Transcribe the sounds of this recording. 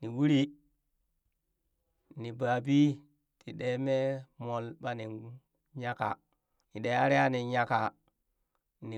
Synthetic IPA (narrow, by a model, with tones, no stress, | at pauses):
ni˨wu˦ɾi˦ | ni˨ba˨bi˦ | ti˨ɗe˨˦me˦mo˨lɓa˦ni˨ | ɲa˦ka̰˨ | ni˨ɗe˨˦a˦ɾi˦a˦ni˨ɲa˦ka˨ | ni˨